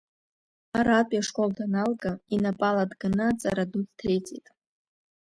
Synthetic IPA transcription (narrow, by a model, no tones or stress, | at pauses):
aɾaːpʼjaʂkʼo̞ldʰanalɡainapʼaladɡanat͡sʼa̰ɾadut͡sʰtʰejt͡sʼetʼ